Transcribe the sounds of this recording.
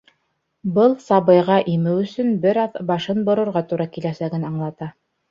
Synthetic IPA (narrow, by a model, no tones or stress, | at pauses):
bɤlˠsɑβɤ̆jʁɑʔimɘwɵ̆sɵnbɘɾɑðbɑʃɤnbŏɾŏɾʁɑt̪uɾɑkilæsæɡɘnɑɴlˠɑt̪ɑ